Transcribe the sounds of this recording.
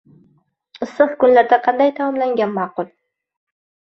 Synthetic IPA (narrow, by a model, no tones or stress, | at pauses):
ɨsːɨqkʊnlaɾd̪aqʰɑnd̪ajt̪ʰamɒmlaŋɡʲanmɑːqʊlˠ